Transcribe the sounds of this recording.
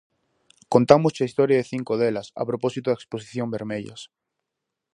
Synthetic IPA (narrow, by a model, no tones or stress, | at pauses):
kont̪amost͡ʃaist̪oɾjaðeθiŋkoð̞elasa̰pɾoposit̪oðeksposi̥θjombeɾmeʎa̰s